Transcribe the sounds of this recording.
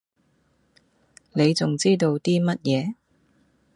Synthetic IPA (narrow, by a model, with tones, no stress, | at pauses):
ne˨˧jt͡sʊ˨ŋt͡siː˥t̪o˧wt̪iː˥mɐ˥t̚jɛː˨˧